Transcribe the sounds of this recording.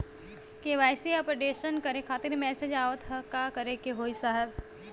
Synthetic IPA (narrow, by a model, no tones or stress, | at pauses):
keʋaːjsiapɾɐɖeːʃənkɐɾẽkʰaːt̪ɪɾmɛːsed͡ʒaːʋət̪ɦɐkakɐɾekeɦoːisaːɦɛb